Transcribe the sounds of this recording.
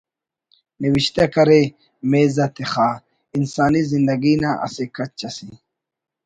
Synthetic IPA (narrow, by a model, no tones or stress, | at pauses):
niwiɕt̪akɐɾe | meːzɐt̪ʰexa | insaːnizind̪ɐɡinaʔa̰sekɐt͡ɕːɐsi